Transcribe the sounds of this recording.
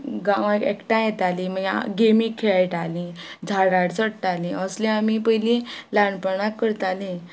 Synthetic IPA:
ɡãʋãɛkʈãjet̪alĩmə̰ɡemĩkkʰːeɭajʈalĩ | d͡zʱaɽaɽt͡səɽʈalĩəslẽamipəɦjlĩlaɳpəɳakːəɾt̪alĩ

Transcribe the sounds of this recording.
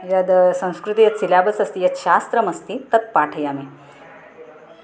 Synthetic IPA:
jad̪sə̃w̃skɾut̪ijat̪silabət͡səst̪iːjat̪ɕast̪ɾəməst̪it̪ət̪̚paʈʰəjami

